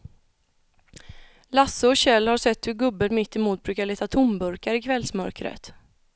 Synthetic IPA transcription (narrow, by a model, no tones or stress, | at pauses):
lasːəɔɕɛlːhaʂɛt̪ːhɵɾɡɵbːənmɪt̪ːɪmuːt̪̚bɾʉːkaɭeːt̪at̪ʰʊmbɵɾkaɾɪkʰvɛlsmœ̰ɾkɾə̰t̪